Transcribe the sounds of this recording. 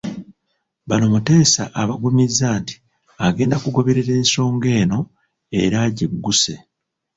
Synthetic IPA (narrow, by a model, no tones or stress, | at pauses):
βano̞mute̞ːsa̰ʔaβaɡumizːaːnti̥ | aɡe̞ːndakuɡo̞βe̞ɾeɾe̞ːnso̞ːŋɡe̞ːno̞ | e̞̰ɾaɟiɡːuse̞